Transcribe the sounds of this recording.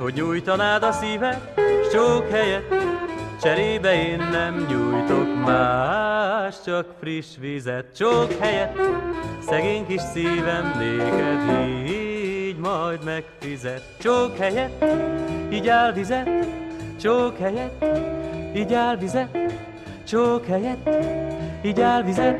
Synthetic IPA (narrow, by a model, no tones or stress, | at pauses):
ho̞ɟɲuːjt̪ɒnaːd̪ɒsiːvɛt̪ʃt͡ʃoːkhɛjɛt̪t͡ʃɛɾeːbɛeːnːɛmɲuːjt̪okmaː | ʃt͡ʃɒkfriʃʋizɛt̪t͡ʃokhɛjɛt̪sɛɡeːɲkiʃsiːvɛmleːkɛzi | ɟmɒjd̪mɛkfizɛt̪t͡ʃokhɛjɛt̪ | iːɟaːlvizɛt̪t͡ʃoːkhɛjɛt̪ː | iːɟaːlvizɛt̪ | t͡ʃoːkhɛjɛt̪ | iːɟaːlvizɛt̪